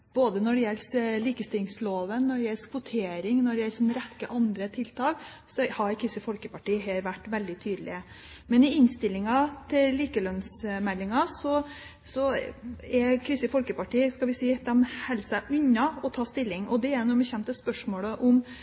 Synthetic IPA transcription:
b̥oːd̪ənɔɖɛjɛlsliːkəst̪ɪlɪŋsloːʋənːɔɖɛjɛlskʰʋʊt̪ʰeːɾɪŋnɔɖɛjɛlsnɾɛkːəʔɑnd̪ɾət̪ʰɪlt̪ʰɑːk | sɔhɑɾkʰɾɪst̪əfɔlkəpɑʈiːɦeːɾʋæʈːʋɛld̪ɪt̪ʰyːd̪lɪ̰ə | mɛnɪɪnst̪ɪlːɪŋɑt̪ʰɪlliːkəlœnsmɛlːɪŋɑsɔ | sɔɛɾkʰɾɪsəfɔlkəpɑʈiːəskɑʋɪsiːd̪ɛmhɛlːsæɪʔʉnːɑɔt̪ʰɑːst̪ɪlːɪŋɔd̪ɛæɾnumɛçɛnt̪əspœʂmoːləʔʊm

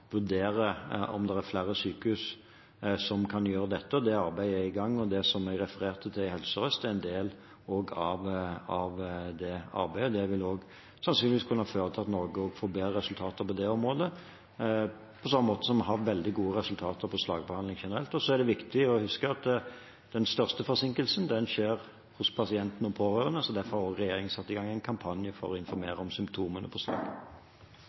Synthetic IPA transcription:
ʋʉɾd̪eːɾəɔ̰md̪ɛʁæɾflæːɾəsyːkʉs | sɔmkʰɑnjøːɾəd̪ɛt̪ːəɔd̪ɛɑɾbæɪæɪɡɑŋːɔd̪ɛsɔmæɡɾɛfəɾeːɾt̪ʰət̪ʰɪlhɛlsəɾœst̪əæɪnd̪eːl | oːɡɑʋɑʋd̪ɛɑ̰ɾbæɪɔd̪ɛʋɪloːɡ | sɑnsyːnɪʋiːskʰʉnːəɑføːɾət̪ʰːɑt̪nɔːɡəoːɡfoːɾbeːɾəɾɛsʉlt̪ʰɑːt̪əɾpɔd̪ɛɔmɾoːd̪ə | pʰɔsɑmːəmoːt̪ə̥sɔmɦɑʋɛld̪ɪɡuːəɾɛsʉlt̪ʰɑːt̪əpʰɔslɑ̰ːɡ̚bəhɑnd̪lɪŋʃɛnəɾɛlt̪ɔsɔæɖ̪ɛʋɪkt̪ɪɔhʉskəɑt̪ | d̪̥ɛnst̪œʁst̪əfɔɾsɪŋkəlsənd̪ɛnʃeːɾ | hʊspʰɑsɪɛnt̪nɔpʰoːɾøːɾənəsɔd̪æɾfɔɾhɑɾoːɡɾɛjeːɾɪŋəsɑt̪ːɪɡɑŋːæɪnkʰɑmpʰɑnjəfɔ̰ɾɔɪnfɔɾmeːɾəɔmsʏmpt̪ʰuːmənə̰pʰɔslɑ̰ːɡ

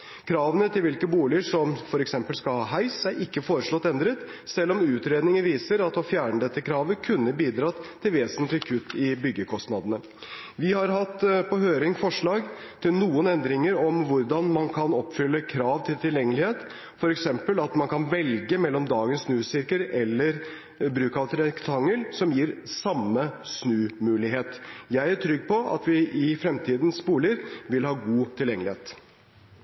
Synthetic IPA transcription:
kʰɾɑːʋənət̪ʰɪlʋɪlkəbuːlɪəʂɔmfɔɾɛksɛmpəlskɑlhɑːɦæɪsæʔɪkːəfoːɾəʂɭɔt̪ːɛnd̪ɾət̪ | sɛlːɔmʉːt̪ɾeːd̪nɪŋəʋiːsəɾɑt̪ɔfjæːɳəd̪ɛt̪ːəkʰɾɑːʋəkʰʉnːəbiːd̪ɾɑːt̪t̪ʰːɪlʋeːsənt̪lɪkʰʉt̪ːɪbʏɡːəkʰɔst̪nɑd̪ənə | ʋɪhɑɾɦɑt̪ːpʰɔɦøːɾɪŋfɔʂɭɑːɡt̪ʰɪlnuːənɛnd̪ɾɪŋəɾɔmʋʊɾd̪ɑnmɑnkʰɑnɔpːfʏlːəkʰɾɑːʋt̪ʰɪlt̪ʰɪljɛŋːəlɪheːt̪ | fɔɾɛksɛmpəlɑt̪mɑnkʰɑnʋɛlɡəmɛlːɔmd̪ɑːɡənsnʉːsɪɾkəɾɛlːəɾ | bɾʉːkɑʋt̪ɾɛkt̪ʰɑŋːəlsɔmjiːɾsɑmːəsnʉːmʉːlɪɦeːt̪jæɪæʈʰɾʏɡːpʰɔʔɑ̰t̪ʋɪʔɪfɾɛmt̪ʰiːd̪n̩sbuːləɾʋɪlhɑːɡuːt̪ʰɪljɛŋːəlɪheːt̪

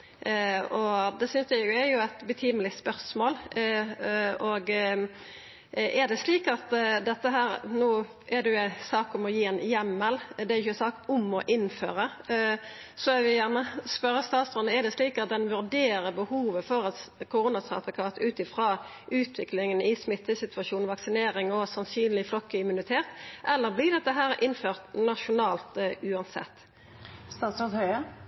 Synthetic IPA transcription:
ɔd̪ɛsʏnsjææɾjʊæɪt̪bət̪ʰiːməlɪspœʁsmoːl | ɔɡ | ɛɾd̪ɛsliːkɑt̪d̪ɛt̪ːəɦæːɾnuː | ʔɛɾd̪ɛjʊænsɑːkʊmɔjiːɛnjɛmːəld̪ɛæɾjʏçəɛnsɑːkʊmɔʔɪnfø̰ːɾə | sɔɛʋɪjæʁnəspœɾəst̪ɑːt̪sʁɔnːəɛd̪ɛsliːkɑt̪̚d̪ɛnʋʉɾd̪eːɾəbəhuːʋəfɔɾɑt̪kʰʊʁuːnɑsɑ̰t̪ʋəkʰɑːt̪ʉːt̪ɪfʁɑː | ʔʉːt̪ʰʋɪklɪŋənɪsmɪt̪ːəsɪt̪ʋɑʃuːnʋɑksɪneːɾɪŋɔsɑnsyːnlɪflɔkːəɪmʉnɪt̪ʰeːt̪ʔɛlːəɾblɪd̪ɛt̪ːəɦæːɾʔɪnføːʁt̪nɑʃʊnɑːlt̪ʉːɑnsɛ̰t̪ː | st̪ɑːt̪sɔt̪hœʏə

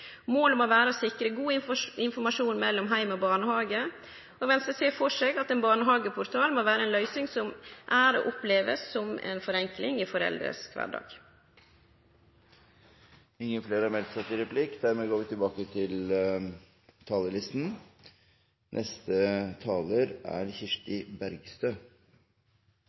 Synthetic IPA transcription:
moːləmoːʋæːɾəsɪkːɾəɡuːəɪnfɔɾmɑʂuːnmɛlːɔmɦæɪmɔːbɑːɳəhɑːɡə | ɔʋɛnsəseːfɔʂeːɡɑt̪ɛːnbɑːɳəɦɑːɡəpʰʊɾt̪ʰɑːlmoːʋæːɾəɛːnlœʏsnɪŋsɔmʔæɾo̰ːʔʊpleːʋə̰sːɔmɛ̰ːnfɔɾɛŋklɪŋɪfɔɾɛ̰ld̪ɾə̰skʰʋæ̰ɖɑ̰ːɡ̥ | ɪŋːəfleːɾɑmɛlt̪sɑt̪ːɪɾɛpʰlɪkːd̪æɾmeːɡoːʋɪt̪ʰɪlbɑːkət̪ʰɪl | t̪ʰɑːləlɪst̪n | nʔɛst̪ət̪ʰɑːləɾæ̰ɾçɪʂʈɪbæɾɡst̪øː

